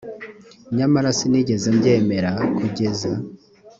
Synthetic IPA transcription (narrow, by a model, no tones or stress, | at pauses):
ɲamaɾasiniɟe̞zembɟe̞ːme̞ɾakuɟe̞za